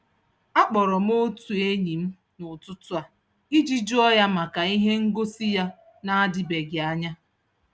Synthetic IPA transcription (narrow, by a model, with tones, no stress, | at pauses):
a˦k͡pɔ˨ɾɔ˨m̩˦o˦tu˨e˦ɲi˨m̩˦ | nʊ˨tʊ˦tʊ˦a˨ | i˦d͡ʒi˦d͡ʒu˦ɔ˦ja˦ma˨ka˨i˦ɦe˦ŋ̩˦ɡo˦si˦ja˦ | na˦a˦dɪ˦be˨ɡɪ˨a˦ɲa˦